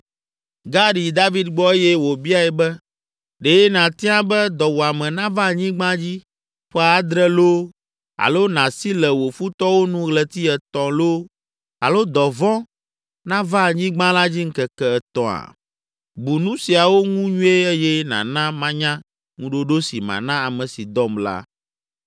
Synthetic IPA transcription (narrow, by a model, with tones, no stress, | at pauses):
ɡa˦ɖi˨d̪a˦vi˦d̪ɡ͡bɔ˦e˦jɛ˦wo˨bi˦a˦ɛ˨bɛ˦ | ɖe˨jɛ˦nã˨t̪i˦ã˦bɛ˦d̪ɔ˨wo˨a˨mɛ̃˨nã˦va˦˨ɲĩ˦ɡ͡bã˦d͡ʑi˦ | ɸɔ˦a˨a˦d̪ɾɛ˦lo˦ | a̰˨lo˦nã˨si˦lɛ˨wo˨fu˦t̪ɔ˦wo˦nũ˦ɣlɛ˨t̪i˦ɛ˨t̪ɔ̃˨lo˦ | a̰˨lo˦d̪ɔ˨vɔ̃˦ | nã˦va˦˨ɲĩ˦ɡ͡bã˦la˦d͡ʑi˦ŋ̩˦kɛ˨kɛ˨ɛ˨t̪ɔ̃˨a̰˨ | bu˨nũ˦si˨a˨wo˦ŋũ˦ɲũ˦e˦ɛ˦jɛ˦nã̰˨nã˦mã˦ɲã˦ | ŋũ˦ɖo˦ɖo˦si˨mã̰˨nã˦a˨mɛ̃˨si˨d̪ɔ˦mla̰˦